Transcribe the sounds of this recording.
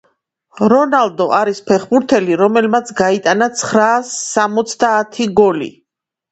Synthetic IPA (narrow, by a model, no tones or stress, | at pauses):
ɾɔnalˠd̪ɔʔaɾispʰɛχbuɾt̪ʰɛliɾɔmɛlmat̪sʰɡait̪ʼanat̪sʰχɾaːsːamɔt̪sʰd̪aːt̪ʰiɡɔlḭ